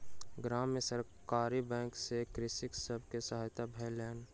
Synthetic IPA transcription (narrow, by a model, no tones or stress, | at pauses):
ɡɾaːmjəsəɾ | kaːɾibɛ̃ːŋksekɾɪsɪksəbʱkesɐɦaːjt̪abʱɛːlɛːn